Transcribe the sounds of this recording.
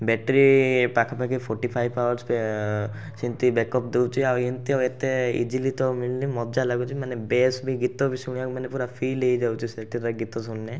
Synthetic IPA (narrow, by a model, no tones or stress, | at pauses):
bɛʈɾipakʰapakipʰɔɾʈipʰajbawɔɾspe | sint̪ibekɔp̚d̪ewt͡ʃʰiawnt̪iawet̪eḭd͡ʒilit̪ɔmiɭlimɔd͡ʒalaɡut͡ʃʰimanebesbiɡit̪ɔbisuɽ̃iakmanepuɾapʰilejd͡ʒawt͡ʃʰiseʈiɾaɡit̪ɔsunːe